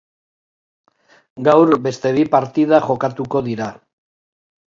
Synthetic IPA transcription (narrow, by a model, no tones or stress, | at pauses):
ɡawɾbe̞st̪e̞βipaɾt̪ið̞aʝo̞kat̪uko̞ðiɾa